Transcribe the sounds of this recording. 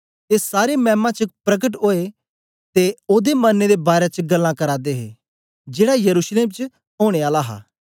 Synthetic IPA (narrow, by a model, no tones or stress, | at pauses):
t̪esaːɾemɛ̃ːmãt͡ʃəpɾɐɡəʈ̬ɦoːe | t̪eoːd̪emɐnːed̪ebaːɾet͡ʃɡɐlːãkɐɾaːd̪eɦḛ | d͡ʒeːɽajɐɾuːsleːmt͡ʃ | ɦoːɽ̃eaːlaɦa̰ː